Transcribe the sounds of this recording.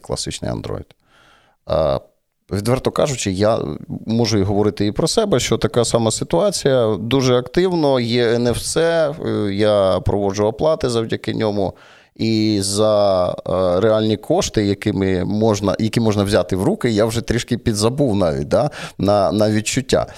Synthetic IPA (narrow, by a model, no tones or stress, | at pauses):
klˠɐ̰sɪt͡ʃnɪ̰jɐ̰nd̪ɾɔ̰ḭd̪̰ | ʋʲid̪ʋɛrt̪ɔkɑʒʊt͡ʃɪja̰mɔʒʊiɦɔʋɔɾɪt̪ɪipɾɔsɛbɛʃt͡ʃɔt̪ɐkɑsɑmɐsɪt̪ʊɑt͡sʲijɐd̪uʒɛɐkt̪ɪwnɔjɛnɛwsɛjapɾɔʋɔd͡ʒʊɐplˠɑt̪ɪzɐwdʲɐkɪnʲɔmʊ | izɐ | ɾeɑlʲnʲikʰɔʃt̪ɪjɐkɪmɪmɔʒnɐ̰jɐkʲimɔʒnɐwzʲat̪ɪwɾukɪjawʒɛt̪ɾʲiʃkɪpʲid̪zɐbuwnɑʋʲḭt̚ʲd̪anɐnɐʋʲid̚t͡ʃʊtʲːa̰